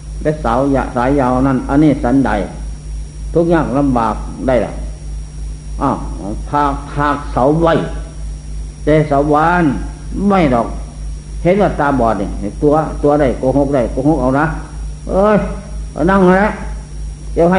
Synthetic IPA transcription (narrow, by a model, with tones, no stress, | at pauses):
lɛ˧˩sa˨˦wja˧˨saː˨˦jːaː˧wna˧˩˨nʔa˧nːiː˧˩sa˨˦nda̰˨˦j | t̪ʰu˧˥k̚ɲaː˧˩k̚la˧mbaː˨˩k̚da˧˩jla̰˧˩ | ʔa˧˩wpʰaː˧˩k̚pʰaː˧˩k̚sa˨˦wwa˧˩j | t̪ɛː˧sa˨˦wbaː˧˨n | ma˧˩jdɔː˨˩k̚ | he˨˦n̚waː˧˩t̪aː˧bɔː˨˩t̪̚ni˧˨˩ha˨˩t̪u˧˦ɐt̪u˧ɐ˧da˧˩jkɔː˧˩ɦo˧k̚da˧˩jkɔ˧˦ho˧k̚ʔa˧˦wna˧˥ʔɤː˧jna˧˩˨ŋha˧˦lɛ˧˥ | jaː˧˩wha˧˨